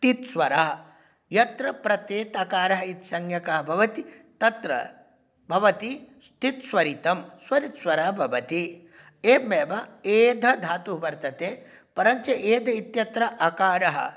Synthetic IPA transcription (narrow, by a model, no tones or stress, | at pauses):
t̪it̪sʋɐɾaːɐ | jɐt̪ɾɐpɾɐt̪eːt̪akaːɾɐɦɐit̪sɐŋjɐkɐɦɐbʱɐʋɐt̪it̪ɐt̪ɾɐ̰ | bʱɐʋɐt̪ist̪ʰit̪swʋɐɾit̪ɐmsʋɐɾit̪sʋɐɾaːbʱɐʋɐt̪i | eːmeːbɐeːd̪ʱɐd̪ʱaːt̪uɦʋɐɾt̪ɐt̪eː | pɐɾɐɲt͡ʃeʔeːd̪ʱɐit̪jɐt̪ɾɐʔɐkaːɾɐɦɐ̰